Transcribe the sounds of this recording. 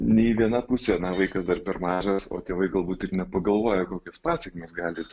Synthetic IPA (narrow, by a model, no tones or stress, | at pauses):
nʲɛɪʋʲiɛnɐpʊsʲɛnɐʋɐɪkɐsd̪ɐrpʲɛɾmɑːʒɐso̰ːt̪ʲeɛʋɐɪɡɐlˠbuːt̪ɪrnʲɛpɐɡɐlˠʋoːjɛkoːkʲoːspɑːsʲɛkʲmʲeːsɡɑːlʲɪ